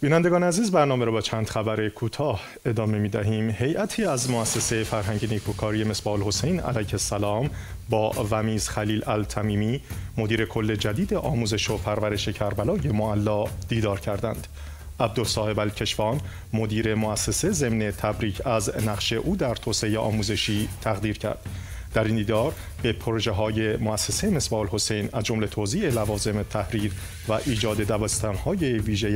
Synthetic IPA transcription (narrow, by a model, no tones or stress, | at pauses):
b̥iːnænd̪e̞ɡɒːneæziːzbæɾnɒːmeɾɔbɒːt͡ʃʰænd̪̥χæbæɾe̞kʰuːt̪ʰɒːh | e̞d̪ɒːme̞miːd̪æɦiːmhe̞jʔæt̪ʰiːæzmoæsːese̞jefæɾɦæŋɟenikʰukʰɒːɾijeme̞sbɒːolho̞sejnæ̰læjhe̞sːælɒːmbɒːvæmiːz̥xæliːlælt̪ʰæmiːmiːmo̞d̪iːɾe̞kʰo̞lːe̞d͡ʒæd̪iːd̪e̞ʔɒːmuːze̞ʃopʰæɾvæɾe̞ʃecʰæɾbælɒːje̞moælːɒːd̪̥iːd̪ɒːɾcʰæɾd̪ænd̪̥ | ʔæbd̪olsɒːhe̞bælcʰe̞ʃfɒːn | mo̞d̪iːɾe̞moæsːeseze̞mne̞t̪ʰæbɾiːcʰæznæχʃe̞ʔuːd̪æɾt̪ʰoːseejeʔɒ̰ːmuːze̞ʃiːt̪ʰæɣd̪iːɾcʰæ̰ɾd̪̥ | d̪æɾind̪iːd̪ɒːɾ | b̥e̞pʰoɾoʒe̞ɦɒːje̞moæsːeseme̞sbɒːlho̞se̞jnæzd͡ʒo̞mle̞t̪ʰoːziːe̞lævɒːze̞met̪ʰæhɾiːɾ | væʔiːd͡ʒɒːd̪e̞d̪æbæst̪ʰænhɒːje̞viːʒej